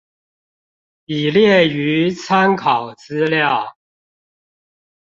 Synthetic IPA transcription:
i˨˩ljɛ˥˩y˧˥t͡sʰa˥nkʰɑ˨˩ʊt͡sɹ̩˥ljɑ˥˨ʊ

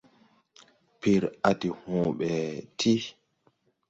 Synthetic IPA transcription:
pi˨ɾa˨ti˨hɔ̃ːɓɛ˨tʰi˦

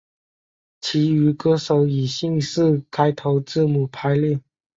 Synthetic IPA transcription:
t͡ɕʰi˧˥y˧˥kɤ˧˥ʂo˨˧˥ʊi˨˩ɕi˥˧ŋsɹ̩˥˧kʰa˥ɪt̪ʰo˧˥ʊʈ͡ʂɹ̩˥˩mu˨˩pʰa˧˥ɪlɛ˥˩

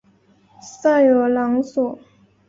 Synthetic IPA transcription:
sa˥˩jo˨˩lɑ˧˥ŋsɔ˨˩˦

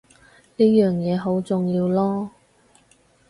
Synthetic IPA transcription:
niː˥jœː˨ŋjɛː˨˧ɦo˨˥wt͡sʊ˨ŋjiː˧wlɔː˥

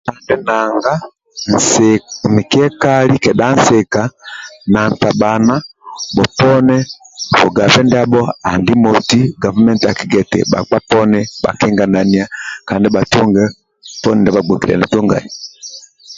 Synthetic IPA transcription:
a˨ndɛ˦na˨ŋɡa˦ | n̩˨sɛmi˨kɛ˦ka˦li˦kɛ˨ɗa˦n̩˦sɛ˨ka˨na˨n˨ta˨ɓa˨na˦bɔ˨pɔ˦nɛ˦bɔ˨ɡa˨vɛ˦ndɛ˦a˦bɔ˦a˨ndi˦mɔ˨ti˦ɡa˨va˦mɛ˦ntia˨ki˦ɡɛ˨tɛ̰˨ɓa̰˨k͡pa˦pɔ˦nɛ˦ɓa̰˨kɛ˦ŋɡa˨na˨ni˨a˦ka˨ndi˦ɓa˨tu˦ŋɡɛ˦ | pɔ˦nɛ˨ndɛ˨ba˨ɡ͡bɔ˨ki˨lɛ̰˨nɛ˨tɔ˦ŋɡa̰˨ji˨

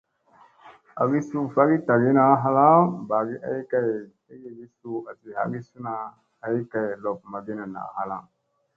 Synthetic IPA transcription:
a̰˨ɡi˦su˦˨fa˦ɡi˦ta˨ɡi˦na˦˨˦ɦa˦la˦ba˨ɡi˦ʔa̰˦i˦ka˦j | i˦ɡi˦˨ɡi˦su˨a˨si˨ha̰˦ɡi˦su˦na˨ | a˦i˦ka˨jlo˨p̚ma˨ɡi˦na˨na̰˨ha˨la̰˦˨ŋ

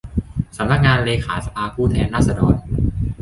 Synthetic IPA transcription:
sa˩˦mna˧˥k̚ŋaː˧nleː˧xʰa̰ː˩˦sa˧ʔaː˧pʰuː˥˩t̪ʰɛː˧nːaː˥˩sa˧dɔː˧n

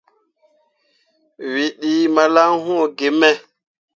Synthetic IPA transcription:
wi˨ɗi˨ma˨la˦ŋɦũ˦˨ɡe˨mɛ˦

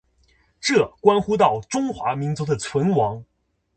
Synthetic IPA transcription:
ʈ͡ʂɤ˥˩kwa˥nxu˥t̪̬ɑ˥˩ʊʈ͡ʂʊ˥ŋxwa˧˥mi˧˥ŋt͡su˧˥d̪ə˨t͡sʰwə˧˥nwɑ˧˥ŋ

